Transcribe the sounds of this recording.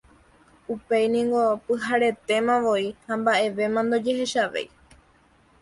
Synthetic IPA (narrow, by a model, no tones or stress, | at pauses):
upe̞jnĩŋɡo̞pɨɦaɾe̞t̪e̞mãʋo̞ihãmbaʔe̞ʋe̞mãnd̪o̞d͡ʒe̞he̞ʃaʋḛj